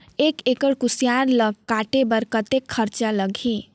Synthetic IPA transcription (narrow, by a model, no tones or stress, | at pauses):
ekekəɽkusjaɾləɡkaʈebəɾkət̪ekʰːəɾt͡ʃaləɡʱĩ